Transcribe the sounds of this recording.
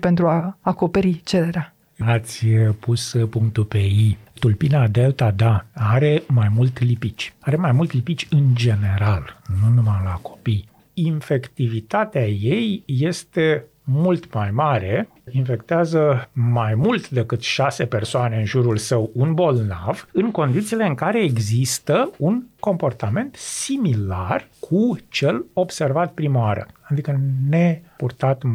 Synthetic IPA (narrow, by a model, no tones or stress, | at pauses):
pe̞nt̪ɾuaːko̞pe̞ɾit͡ʃeɾeɾea | at̪sʲpuspuŋkt̪upe̞it̪ulpinad̪e̞lt̪ad̪aaɾe̞majmult̪ʲlipit͡ʃʲaɾe̞majmult̪lipit͡ʃʲɨnd͡ʒe̞ne̞ɾalnunumalako̞pij | infe̞kt̪ivit̪at̪eaje̞jːe̞st̪e̞ | mult̪majmaɾe̞ | infe̞kt̪eazəmajmult̪d̪e̞kɨt̪ʃase̞pe̞rsoane̞ɨnʒuɾulsəwunbo̞lnavɨŋko̞nd̪it̪sile̞ɨŋkaɾe̞ːɡzist̪əunko̞mpo̞rt̪ame̞nt̪similarkʰut͡ʃe̞lo̞bse̞rvat̪̚pɾimaaɾə̰ad̪ikənepurt̪at̪